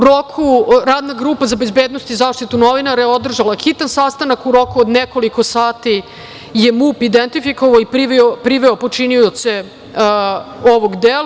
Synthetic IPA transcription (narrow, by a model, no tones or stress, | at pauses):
uɾokʰuɾaːd̪naɡɾuːpazabe̞zbeːd̪nost̪izaːʂt̪it̪uno̞ʋinaɾeeo̞d̪r̩ʒalaxit̪ansast̪anakuɾo̞kuod̪neko̞liko̞saːt̪i | je̞muːpid̪ent̪ifikoʋaoipiʋopɾiʋeopo̞t͡ʃiniose̞ | oʋoɡd̪el